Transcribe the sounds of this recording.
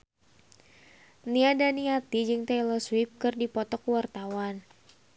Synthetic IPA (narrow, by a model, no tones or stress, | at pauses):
niadaniat̪id͡ʒɨŋt̪ejlɔswip̚kɨrdipɔt̪ɔkwart̪awan